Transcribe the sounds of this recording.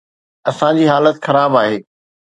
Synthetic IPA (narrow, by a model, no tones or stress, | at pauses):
ɐsãd͡ʑiːɦaːlət̪xɐɾaːbaːɦeː